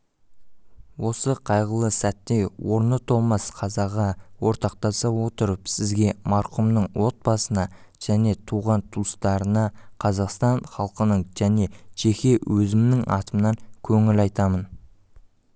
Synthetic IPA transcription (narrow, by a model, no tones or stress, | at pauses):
wʔo̞səqʰɑjʁəlˠəsæt̪ːe̞jwo̞ɾnət̪ʰolˠmɑsqʰɑzɑʁɑwo̞ɾt̪ɑq̚t̪ɑsɑwo̞t̪əɾəpsɪzɡʲe̞mɑɾqʊmnəɴwo̞t̪̚bɑsənɑ | ʒ̥æne̞t̪ʰuʁɑnt̪ʰust̪ɑɾənɑqʰɑzɑqst̪ɑɴχɑlˠqənəɴʒ̥æne̞ʃe̞xʲewʔɵzɪmnɪŋʔɑ̰t̪əmnɑŋkʲʰɵŋɪlɑjt̪ɑmən